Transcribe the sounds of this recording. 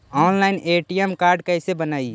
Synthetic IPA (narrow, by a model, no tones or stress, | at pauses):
ɔːnlaɪneːʈijɛmkaːɾɖkəsebənaːi